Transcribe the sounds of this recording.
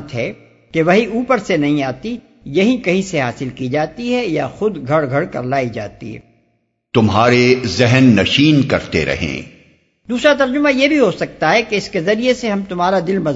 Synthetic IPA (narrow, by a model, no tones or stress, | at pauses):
t̪ɦɛ | keʋɐɦiʔuːpəɾsenɐɦĩaːt̪i | jɐɦĩkɐɦĩseɦaːsɪlkid͡ʒaːt̪iɦɛja̰xʊd̪ɡʱɐɽɡʱɐɽkɐ̰ɾlaːid͡ʒa̰ːt̪ḭɦɛ̰ | t̪ʊmɦaːɾezɪɦɛnːɐʃiːnkɐɾt̪ḛɾɐ̰ɦḛ̃ː | d̪uːsɾat̪̬ɐɾd͡ʒʊmãjebʱiɦosɐk̚t̪aɦɛkeɪskezɐɾieseɦɐ̃mt̪ʊmɦaːɾad̪ɪlmɐz